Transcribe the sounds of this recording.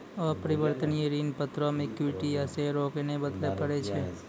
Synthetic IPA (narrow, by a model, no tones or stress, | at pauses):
ɔːɾpəɾɪʋəɾt̪əniəɾiːnpət̪ɾõmẽkjuʈiɛseɾoːknebəd̪lepəɽet͡ʃʰe